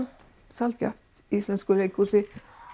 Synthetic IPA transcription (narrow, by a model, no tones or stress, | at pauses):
t̪ | sɑlt̪̚kʰɾɑ̰ft̪ | iːsənskʉlɛɡkʰusɪ